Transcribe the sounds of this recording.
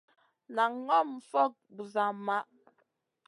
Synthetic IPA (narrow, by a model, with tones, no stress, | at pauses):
na˨ŋː˦ɔ˦m̩˨fɔ˦k̚bu˨za˨ma˦ʔ